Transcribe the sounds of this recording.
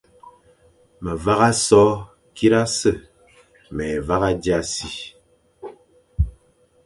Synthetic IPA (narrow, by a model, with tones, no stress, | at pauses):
mə˨va˦ɣa˦sɔ˦ | ki˦ɾa˦sə˦˨ | mɛ˨va˦ɣa˦d͡ʒja˦si˦